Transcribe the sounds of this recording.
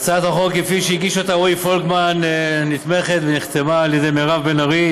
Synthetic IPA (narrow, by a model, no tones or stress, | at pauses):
t͡sat̪aχo̞kefiʃeiɡiʃot̪awejfolkmanːit̪me̞χet̪veniχt̪emaːljed̪ejmeʁavbenaʁi